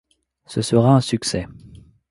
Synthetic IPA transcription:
səsəʁaɛ̃syksɛ

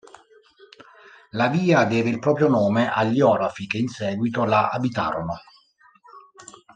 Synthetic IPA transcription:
laviːad̪ɛːveilpɾɔːpɾjonoːmeʔaʎːiɔːɾafikeinsɛːɡwit̪olaʔa̰bit̪a̰ːɾono

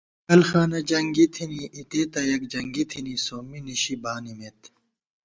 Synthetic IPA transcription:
ɐlxaːnɐd͡ʑɐŋɡit̪ʰiniit̪eːt̪ɐjɐk̚d͡ʑɐŋɡit̪ʰinisoːminiɕibaːnimet̪

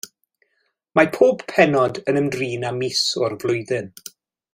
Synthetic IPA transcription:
mapʰoːb̥pʰɛnɔdənəmdriːnamisɔrvlˠʊjðɪn

